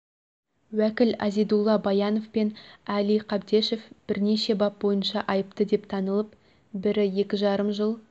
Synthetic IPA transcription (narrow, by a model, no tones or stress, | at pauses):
wækʲɪlæ̰zid̪ulˠːɑbɑjɑno̞fpenælijqʰɑb̚d̪e̞ʃe̞fb̥ɪɾne̞ʃe̞bɑp̚bo̞jənʃɑʔɑjəpt̪əd̪e̞pt̪ʰɑnəlˠəp | bɪɾɪje̞kʲɪʒɑɾəmʒəlˠ